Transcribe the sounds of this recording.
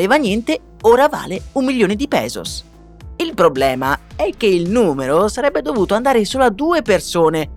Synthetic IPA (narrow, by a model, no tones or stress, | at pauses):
leːvanjɛnt̪e | oːɾava̰ːleumːiljoːned̪ipɛ̰ːzo̰s | ilpɾoblɛːmaɛkːeilnuːmeɾosaɾɛbːed̪ovuːt̪oand̪aːɾesoːload̪ːuːepersoːne